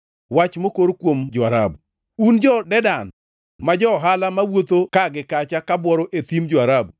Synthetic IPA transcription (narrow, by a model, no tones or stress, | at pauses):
wat͡ʃmokoɾkwomd͡ʒɔaɾabu | und͡ʒɔdɛdan | mad͡ʒɔɦalamawot̪okaɡɪkat͡ʃakabwɔɾoʔet̪imd͡ʒɔaɾabu